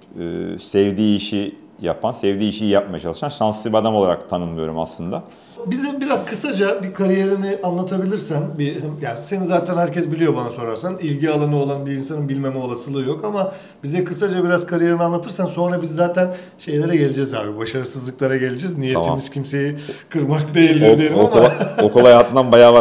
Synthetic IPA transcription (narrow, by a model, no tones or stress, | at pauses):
ɯ̰ːsɛvd̪iːʃi | ja̰pʰansɛvd̪iːʃijap̚maja̰t͡ʃʰalˠɯʃanʃansɯbad̪amolˠaɾa̰k̚t̪ʰanɯnmɯjo̞ɾuma̰slˠɯnd̪a̰ | bizimbiɾazkʰɯsad͡ʒabikʰaɾije̞ɾiniʔanlˠat̪ʰabilʲiɾsænbihjaːnise̞nizaːt̪ʰænhæɾcɛsbilʲijo̞banaso̞ɾaɾsanilʲɟialˠanɯo̞lˠanbiins̬anɯnbilʲme̞mɛo̞lˠasɯlˠɯjo̞kama | bizɛkɯsad͡ʒabiɾazkʰaɾije̞ɾinianlˠat̪ʰɯɾsanso̞nɾabizːaːt̪ʰæn | ʃe̞jlʲe̞ɾɛɟe̞lʲed͡ʒɛza̰ːbibaʃaɾɯsɯzlˠɯklˠaɾaɟe̞lʲed͡ʒɛznijet̪ʰimiz̥cʰimse̞jikʰɯɾmakd̪ejilʲːd̪ʲeɾiamokolˠajat̪lanbajaːba